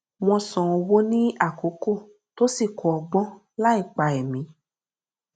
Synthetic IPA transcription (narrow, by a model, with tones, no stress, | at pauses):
w̃ɔ̃˧sɔ̃˧o˧wo˦nĩ˦a˦˨ko˨˦ko˦˨ | to˦si˦˨kʰɔ˨ɔ˧ɡ͡bɔ̃˦ | la˦i˦˨k͡pa˧ɛ˨mĩ˨˦